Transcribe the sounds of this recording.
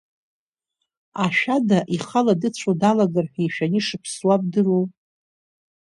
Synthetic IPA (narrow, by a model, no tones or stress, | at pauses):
aʃᶣadaʔiχaladɨt͡ɕʷʰodalaɡarħᶣijʃᶣaniʂɨpʰswab̚dɨru